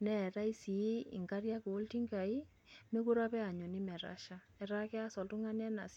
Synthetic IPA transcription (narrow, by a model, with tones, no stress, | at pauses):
nɛ˦˨ɾa˦i˦si˨˦ɪ̰˨ŋɡa˦ɾja˦koː˨˦lti˦ŋɡa˨i˦ | me˦ku˦ɾa˦pɛ˦a˨ɲo˨nɪ˦mɛ˨ɾa̰˦ʃa˦ | ɛ˨ɾa˦kɛ˦a˦sɔ˨ltʊ˦ŋa˦nɛ˦na̰˨s